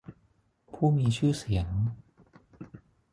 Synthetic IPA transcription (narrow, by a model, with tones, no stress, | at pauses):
pʰuː˥˩miː˧t͡ɕʰɯː˥˩si˩˦əŋ